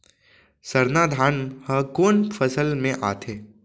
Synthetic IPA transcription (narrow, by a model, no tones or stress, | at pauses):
sɐɾnaːd̪ʱaːnhə̃koːnfʰəsəlmẽʔa̰ːt̪ʰeː